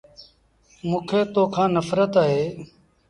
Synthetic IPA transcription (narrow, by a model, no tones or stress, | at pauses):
mũːkʰeːt̪oːkʰãːnəfɾət̪aːɦeː